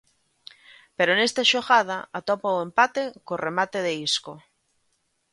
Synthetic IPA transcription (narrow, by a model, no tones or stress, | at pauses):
peɾonest̪aʃoɣað̞aat̪opaoempat̪ekoremat̪eðeisko